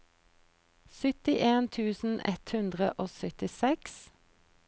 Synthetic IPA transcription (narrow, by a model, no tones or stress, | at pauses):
sʏt̪ɪʔeːnt̪ʰʉːsn̩ʔɛ̰t̪hʉnd̪ʁəʔoːsœt̪ɪsɛks